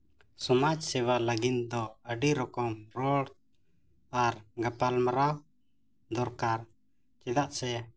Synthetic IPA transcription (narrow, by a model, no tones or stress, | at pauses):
sɔmad͡ʒsɛwaləɡind̪ɔəɖiɾɔkɔmɾɔɽ | aɾɡapalmaɾa | d̪ɔɾkaɾ | t͡ʃɛd̪aʔsɛ